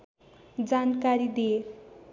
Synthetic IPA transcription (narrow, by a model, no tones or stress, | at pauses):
d͡zankaɾid̪ie